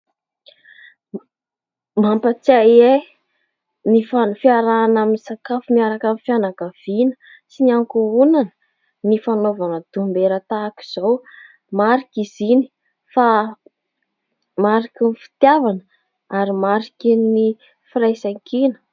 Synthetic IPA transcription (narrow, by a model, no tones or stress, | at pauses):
mampət͡saje | nifanfiaɾaːnaminisakafumiaɾakanifjanakəv̥inə̥ | siniaŋkuunanə | nifanovanəd̪̥umbeɾət̪aːki̥z̥ow | maɾikizini̥ | fa | maɾikinifi̥t̪javanə | aɾimaɾikini | firajsaŋkinə̥